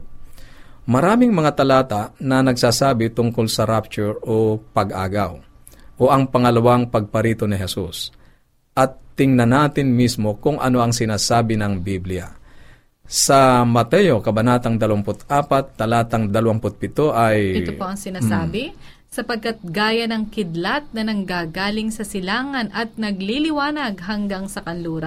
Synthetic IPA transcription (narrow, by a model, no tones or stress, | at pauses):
mɐɾaːmɪŋmɐŋat̪ɐlaːt̪anɐnɐɡsaːsaːbɪt̪ʊŋkolsɐɾap̚t͡ʃʊɹopɐɡʔa̰ːɡaw | ʔoʔɐŋpɐŋɐlɐwaŋpɐɡ̚pɐɾiːt̪o̞nɪɦɛsus | ʔɐt̪ːɪŋnɐnaːt̪ɪnmismo̞kʊŋʔɐ̰no̞ʔɐŋsɪnaːsaːbɪnɐŋbiblɪja̰ | sɐmɐt̪ɛjo̞kɐbɐnaːt̪ɐŋd̪ɐlʊampʊt̪aːpat̪ːɐlaːt̪ɐŋd̪ɐlɐwaŋpʊt̪̚pɪt̪oʔɐjʔɛt̪opoʔɐŋsɪnaːsaːbɪ | sɐpɐɡ̚kat̪̚ɡaːjɐnɐŋkɪd̪lat̪̚nɐnɐŋɡaːɡaːlɪŋsɐsɪlaːŋɐnʔɐt̪̚nɐɡlilɪwaːnɐɡ̚ɦɐŋɡaŋsɐkɐnluːɾɐ